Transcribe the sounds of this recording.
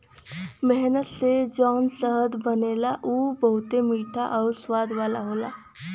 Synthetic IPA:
mɛɦnət̪sed͡ʒɔːnsəɦəd̪bəneːlaʔuːbəɦʊt̪emiːʈʰaʔɔːɾswaːd̪ʋaːlaɦoːla̰ː

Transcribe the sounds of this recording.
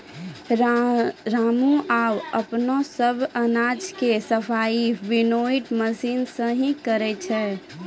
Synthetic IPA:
ɾaːmuʔaːwəpnosəbʱənad͡ʒkesəpʰaːiʋɪnoiʈməsiːnsə̃ɦĩkəɾɛt͡ʃʰɛː

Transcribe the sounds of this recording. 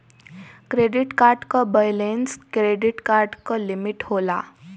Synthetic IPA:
kɾeɖiʈkaɾɖkəbəjlenskɾeɖiʈkaɾɖkəlimiʈhola̰

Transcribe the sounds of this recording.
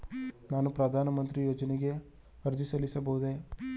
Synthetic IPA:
naːnupɾɐd̪ʱaːnəmə̃nt̪ɾijoːd͡ʒneɡe | əɾd͡ʒisɐlisɐbʱoːd̪e

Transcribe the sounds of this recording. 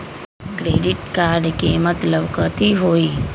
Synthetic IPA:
kɾeːɖɪʈkaːɾɖkemət̪ləbkət̪iɦoːiː

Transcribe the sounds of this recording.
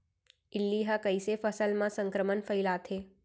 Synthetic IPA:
ɪlːiɦəkəisefəsəlmãsə̃ŋkɾəmənfʰəɪlat̪ʰeː

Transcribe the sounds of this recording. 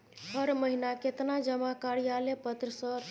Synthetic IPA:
həɾməɦinaket̪nad͡ʒəmakaɾijalepət̪ɾəsəɾ

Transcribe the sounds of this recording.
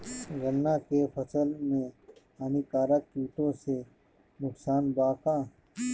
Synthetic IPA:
ɡənːakepʰɐsəlmẽ | aːnikaːɾakːiːʈõse | nʊksaːnbaːkãː

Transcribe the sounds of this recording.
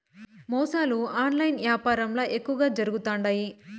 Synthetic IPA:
mɔːsaːluaːnlɐjnʋjaːpaːɾɐmloːʔekːuʋɐɡaːd͡ʒɐɾuɡut̪aːɳɖaji

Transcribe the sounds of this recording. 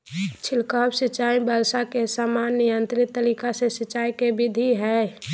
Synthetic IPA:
t͡ʃʰɪlkaːbsɪt͡ʃːaːibəlsakesaːmaːnːijə̃nt̪ɾɪt̪ːəɾiːkasesɪt͡ʃːaːikebɪd̪ʱiɦɛ

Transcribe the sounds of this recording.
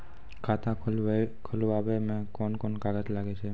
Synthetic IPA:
kʰat̪ãkʰuluaʋemɛ̃kɔnkɔnkaɡəd͡ʒlaɡet͡ʃʰe

